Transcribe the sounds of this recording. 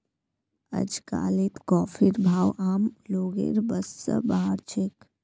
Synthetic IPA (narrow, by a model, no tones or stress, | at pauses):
ə̰d͡ʒka̰ːlit̪kɔːfʰiɾbʱaːwʔaːmloːɡḛɾbəsːə̰baɦaɾt͡ʃʰek